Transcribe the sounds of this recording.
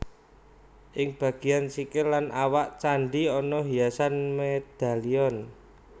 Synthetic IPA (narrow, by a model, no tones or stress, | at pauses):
ʔɪŋb̥ä̤ɡ̥i̤ansikɪlːanʔawaʔt͡ʃaɳɖiɔnɔɦijasanmed̪̥a̤liɔn